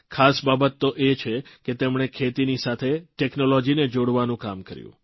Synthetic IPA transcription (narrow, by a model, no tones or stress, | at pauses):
kʰasbabət̪ːoʔet͡ʃʰeket̪emɳ̃ekʰet̪inisat̪ʰeʈeknolɔd͡ʒined͡ʒoɽʋanũkamkə̰ɾjṵ̃